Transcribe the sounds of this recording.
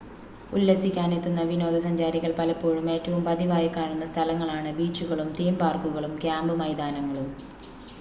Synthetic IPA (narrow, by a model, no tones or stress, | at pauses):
ulːɐsikʲːaːnet̪ːunːɐʋino̞ːd̪ɐsɐɲd͡ʑaːɾiɣɐɭpɐlɐpːoːɻume̞ːtːɐʋumpɐðiʋaːjɐkːaːɳunːɐst̪ʰɐlɐŋːɐɭaːɳɨbiːt͡ɕːuɣɐɭumt̪iːmbaːrkuɣɐɭumkjaːmbɨmɐjd̪aːnɐŋːɐɭum